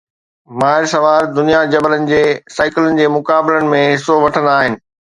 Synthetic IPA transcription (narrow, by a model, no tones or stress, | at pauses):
maːɦɪɾsɐʋaːɾd̪ʊnijad͡ʑɐbələnɪ̆d͡ʑeːsaːɪkɪlənɪ̆d͡ʑeːmʊkaːbɪlənɪ̆mẽɦɪsoʋɐʈʰənd̪aːɦɪnɪ̆